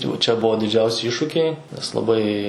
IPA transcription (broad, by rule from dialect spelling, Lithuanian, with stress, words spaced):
jɛʊ ˈt͡ʃʲɛ ˈbʊʋoː dʲɪdʲˈʒʲɛʊsʲɪ ˈiːʃʃʊkʲɛɪ nʲɛs lˠɐˈbɐɪ